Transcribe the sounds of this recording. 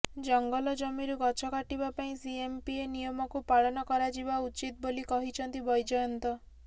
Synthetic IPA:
d͡ʒɔŋɡɔlɔd͡ʒɔmiɾuɡɔt͡ʃʰɔkaʈibapaĩsiempienijɔmɔkupaɭɔnɔkɔɾad͡ʒibaut͡ʃit̪̚bolikɔɦit͡ʃʰɔnt̪ibɔjd͡ʒɔɔnt̪ɔ

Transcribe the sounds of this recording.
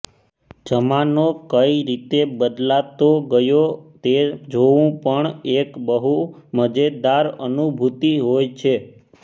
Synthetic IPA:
d͡ʒəmanokəiɾit̪ebəd̪lat̪oɡəjot̪ed͡ʒoʋũpəɳekbəɦuməd͡ʒed̪aɾənubʱut̪iɦojt͡ʃʰe

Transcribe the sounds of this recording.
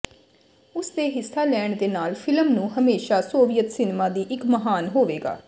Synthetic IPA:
ʊsd̪eːɦɪsːaːlɛːɳd̪eːnaːlpʰɪləmnũːɦəmeːʃaːsoːʋɪjət̪sɪnmaːd̪iːʔɪkməɦaːnɦoːʋeːɡa̰ː

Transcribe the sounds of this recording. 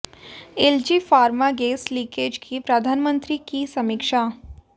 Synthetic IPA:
eld͡ʒiːfaːɾmaɡeːslikeːd͡ʒkʰipɾəd̪ʱaːnmə̃nt̪ɾikisɐmɪkʃaː

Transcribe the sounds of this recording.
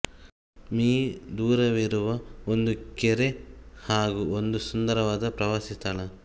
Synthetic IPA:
miːd̪uːɾɐʋiɾuʋɐond̪ukeɾehaːɡuond̪usund̪ɐɾɐʋaːd̪ɐpɾɐʋaːsist̪ɐɭɐ

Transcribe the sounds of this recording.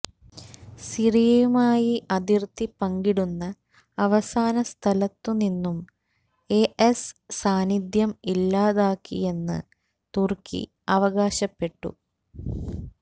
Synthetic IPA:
sirijɐjumaːjiʔɐd̪irt̪ipɐŋɡiɽunːɐ | ɐʋɐsaːnɐst̪ʰɐlɐt̪ːuninːum | eʔesːaːnid̪jɐmilːaːðaːkːḭje̞nːɨ̰ | t̪urkʰḭ | ɐʋɐɣaːɕɐpːe̞ʈːṵ

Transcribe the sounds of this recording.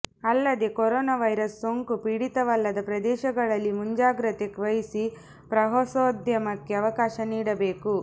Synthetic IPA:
ɐlːɐd̪e̞koɾɔːnaːʋɐjɾɐsːoŋkupiɽit̪ɐʋɐlːɐd̪ɐpɾɐd̪ɛːʃɐɡɐɭɐlːimuɲd͡ʒaːɡɾɐt̪ekʋɐjisi | pɾɐɦosoːd̪jɐmɐkːeɐʋɐkaːʃɐniːɽɐbeːku

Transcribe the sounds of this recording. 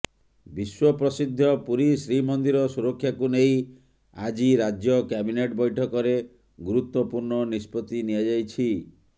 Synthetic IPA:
biswɔpɾɔsid̪ʱːɔpuɾisɾimɔnd̪iɾɔsuɾɔkʰːjakunej | ad͡ʒiɾad͡ʒjɔkabineʈbɔjʈʰɔkɔɾe | ɡuɾut̪wɔpuɾɳɔnispɔt̪iniad͡ʒajt͡ʃʰi

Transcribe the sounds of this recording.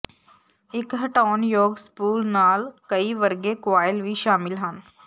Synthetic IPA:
ɪkɦɐʈaːnjoːɡskuːlnaːlkɐiʋɐɾɡekʋaːjɪlʋiʃaːmɪlɦən

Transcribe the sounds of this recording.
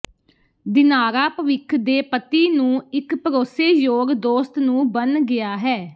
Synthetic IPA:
d̪ɪnaːɾaːpəʋɪkʰd̪eːpət̪iːnũːɪkpəɾoːseːjoːɡd̪oːst̪nũːbənɡɪjaːɦɛː

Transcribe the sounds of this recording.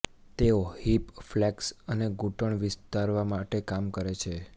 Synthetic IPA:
t̪eohipflɛksəneɡuʈəɳʋɪst̪aɾʋamaʈekamkəɾet͡ʃʰe

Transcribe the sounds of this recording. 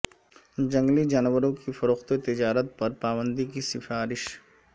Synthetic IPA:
d͡ʒɐ̃ŋɡlid͡ʒaːnʋəɾõkifɐɾoːxt̪et̪ɪd͡ʒaːɾət̪̚pɐɾpaːbə̃nd̪ik̬isɪfaːɾɪʃ

